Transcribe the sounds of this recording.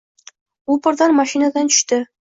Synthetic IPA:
ulˠpɤ̆rd̪ɑnmɑʃinɑd̪ɑnt͡ɕʏ̥̆ʃt̪ɘ

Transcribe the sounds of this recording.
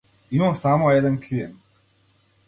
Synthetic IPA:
imasaːmojɛd̪ankʰlijɛnt̪

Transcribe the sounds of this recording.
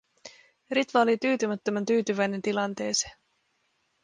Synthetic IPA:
rit̪ʋɑolit̪yːt̪ymæt̪ːømænt̪yːt̪yʋæjne̞nt̪ilɑnt̪e̞ːse̥

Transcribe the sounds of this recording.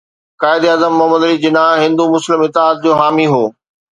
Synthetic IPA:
kaːɪd̪eɐːzəmːʊɦəməd̪ɐɾid͡ʑɪnaɦɪ̃nd̪umʊslɪmɪt̪ɪaːt̪̚d͡ʑoːɦaːmiɦoː

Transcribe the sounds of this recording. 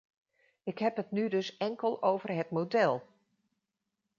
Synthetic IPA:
ɪkɦɛpətnydɵsɛŋkəlˠowvərɦətmodɛlˠ

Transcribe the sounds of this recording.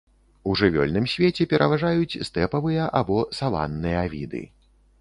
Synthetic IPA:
uʐɨvʲɔ̰lʲnɨmsʲvʲet͡sʲɛpʲɛɾʔɐvaʐajut͡sʲst̪ɛpɐvɨjɐʔabɔsalˠa̰nːɨjɐavʲḭd̪ɨ̰

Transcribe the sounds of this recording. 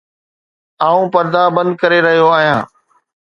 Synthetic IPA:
aːũːpɐɾd̪aːbə̃nd̪̚kɐɾeɾɐɦijoaːɦijãː

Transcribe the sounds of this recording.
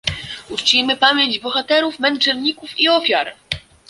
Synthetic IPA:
ut͡ʂt͡ɕimɘpamʲjeɲd͡ʑbɔxat̪ɛɾufmɛnt͡ʂɛnɲikufiɔfʲjaɾ

